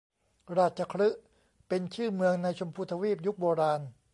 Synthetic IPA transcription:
ɾaː˧˩t̪̚t͡ɕa˧˩kʰɾɯ˦˥ʔ | pe˧nt͡ɕʰɯː˥˩mɯ˧əŋna˧jt͡ɕʰo˧mpʰuː˧t̪ʰa˧wiː˥˩p̚ju˦˥k̚boː˧ɾaː˧n

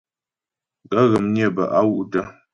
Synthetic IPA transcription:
ɡə˦ɣə˨mɲje˦˨bə̰˨ʔa˦wu˦ʔtə˦

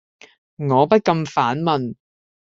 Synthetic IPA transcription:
ŋɔː˨˧pɐ˥t̚kɐ˧mfaː˨˥nmɐ˨n

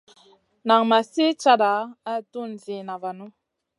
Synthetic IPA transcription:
na˨ŋma˨se˦t͡ʃa˦ɗa˨˦a˦˨tu˦n˨zi˨na˨va˨nu˦

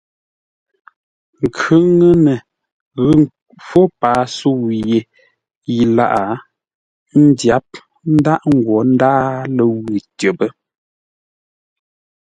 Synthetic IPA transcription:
ŋ˨kʰʉ˦ŋə˦nə˨ | ɣə˦ | fɔ˦paː˨˦su˦˨wje˨ | ji˨la̰˦˨ʔa˨ | n̩˦dja˨˦p̚ | n̩˦da˦ʔŋ̩˦˨ɡwɔ˨˦n̩˦daː˦lə˨wʉ˨tə˨bə˦

